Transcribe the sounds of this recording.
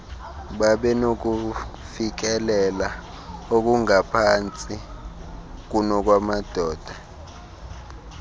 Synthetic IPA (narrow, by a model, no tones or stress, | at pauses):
ɓaɓɛnok̬u | fik̬ɛlɛla | ok̬uŋapʰant͡sʼi | k̬unɔk̬wamad̥ʱɔːd̥ʱa